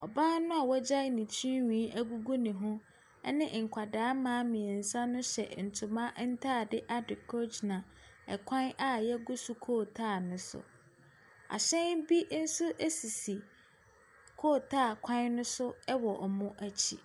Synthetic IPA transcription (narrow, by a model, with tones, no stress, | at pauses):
ɔ˨bãː˦nʊ̃˦a˨wɔ˦d͡ʑa˦nĩ˨t͡ɕʰĩ˦wĩ˨˦ʔæ˦ɡu˦ɡu˦nɪ̃˨ɦʊ̃˦ | ɛ˦nɪ̃˦ŋ̩˨kʷʰa˨daː˨˦mãː˨˦mĩ˨ɛ˨n̩˨sã˦nʊ̃˦ɕɛ̰˨n̩˨tʰʊ˨mã˦n̩˦tʰa˦˨dɪ˦ʔa˦dɪ˨kʰɔ˦d͡ʒnã˨ | ɛ̰˨kʷʰã˦na˦jɛ˦ɡʊ˦su˨kʰoː˦˨tʰaː˦˨nʊ̃˦sʊ̰˨ | a̰˨ɕɛ̃˦nbi˦n̩˦sʊ˦ʔɛ˦si˨si˨ | kʰoː˦˨tʰaː˦˨kʷʰã˦nnʊ̃˦sʊ˦ɛ˦wɔ˨ʔɔ˨mʊ̃˦ʔæ˦t͡ɕʰḭ˨